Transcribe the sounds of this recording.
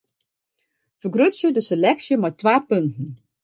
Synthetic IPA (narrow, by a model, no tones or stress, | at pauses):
fəɡrøtsjədəselɛksjəmajtʋaːpøntn̩